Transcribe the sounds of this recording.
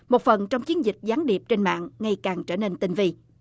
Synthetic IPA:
mo˨˩t̚fə˨˩nt͡ɕɔ˧wŋ͡mt͡ɕi˨˦ənzï˨˩k̟̚zaː˨˦ŋɗi˨˩əp̚t͡ɕe˧nma̰ː˧˨ŋːŋa˧jkaː˨˩ŋt͡ɕəː˧˩ne˧nt̪ï˧ŋ̟vi˧

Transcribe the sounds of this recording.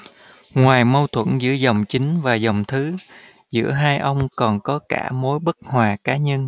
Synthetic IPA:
ŋwaː˨˩jmə˧wt̪ʰwə̰˧˩nzɨ̰˧˥əzə˨˩wŋ͡mt͡ɕï˨˦ŋ̟vaː˨˩zə˨˩wŋ͡mt̪ʰɨ˨˦ | zɨ̰˧˥əɦaː˧jʔə˧wŋ͡mkɔ˨˩nkɔ˨˦ka̰ː˧˩mo˨˦jɓə˦˥k̚hwaː˨˩kaː˨˦ɲə˧n

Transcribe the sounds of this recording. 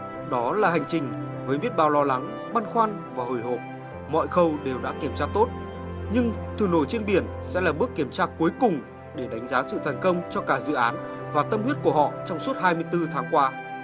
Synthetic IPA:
ɗɔ˨˦laː˨˩ha˨˩jŋ̟t͡ɕï˨˩ŋ̟ | vəː˨˦jmi˦˥ət̚ɓaː˧˩wlɔ˧la˨˦ŋ | ɓaː˧nxwaː˧n | vaː˨˩ho˨˩jho˨˩p̚ | mɔ̰˧˨jxə˧wɗe˨˩wɗa̰ː˧˥ki˧˩əmt͡ɕaː˧t̪o˦˥t̚ | ɲɨ˧ŋt̪ʰɨ˨˩no˧˩jt͡ɕe˧nɓi˧˩ən | sɛ̰˧˥laː˨˩ɓɨ˦˥əkːi˧˩əmt͡ɕaː˧ku˨˦jkʊ˨˩ŋ͡m | ɗe˧˩ɗa˨˦jŋ̟zaː˨˦sɨ̰˧˨t̪ʰaː˨˩n̟kə˧wŋ͡mt͡ɕɔ˧kaː˧˩zɨ̰˧˨ʔaː˨˦n | vaː˨˩t̪ə˧mhi˦˥t̚ku˧˩əɦɔ̰˧˨t͡ɕɔ˧wŋ͡msu˦˥ət̚hɦaː˧jmɨ˧əjt̪ɨ˧t̪ʰaː˨˦ŋkwaː˧

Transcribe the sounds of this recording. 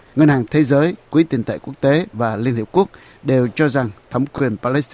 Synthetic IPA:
ŋə˧nhaː˨˩ŋt̪ʰe˨˦zəː˨˦jkwi˨˦t̪i˨˩nt̪ə̰˧˨jku˦˥ək̚t̪e˨˦vaː˨˩li˧ənhi˧˩pku˦˥ək̚ | ɗe˨˩wt͡ɕɔ˧za˨˩ŋt̪ʰə˨˦wŋ͡mkwi˨˩ənpaː˧lɛ˦˥s

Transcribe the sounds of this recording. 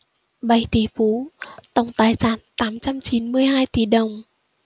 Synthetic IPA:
ɓa˨˧˩jt̪ʰi˧˩˦fu˨˦t̪ə˧˩wŋ͡mt̪aː˨˩jsaː˧˩nt̪aː˨˦mt͡ɕa˧mt͡ɕi˨˦nmɨ˧əjɦaː˧jt̪i˨˧˩ɗə˨˩wŋ͡m

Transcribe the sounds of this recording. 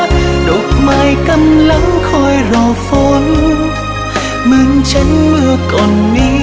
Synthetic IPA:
ɗo˨˩k͡p̚maː˧jkə˧mla˨˦ŋkʰɔ˧jzɔ˧˩fo˧˦n | mɨ˧ənt͡ɕə˨˦ŋmɨ˧əkɔ˨˩nːi˧

